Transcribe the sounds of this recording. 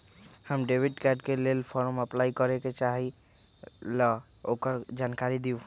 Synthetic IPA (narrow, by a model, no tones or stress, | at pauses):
həmɖebʱiɖkaɖkelelpʰɔɾməplaikəɾeket͡ʃaɦi | lɔ | okəɾd͡ʒankaɾid̪iũ